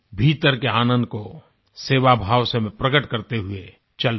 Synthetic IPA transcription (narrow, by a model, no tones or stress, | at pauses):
bʱiːt̪əɾkeaːnə̃nd̪̚ko | seːʋabʱaːwsemẽpɾəɡəʈkɐɾt̪eɦʊe | t͡ʃɐl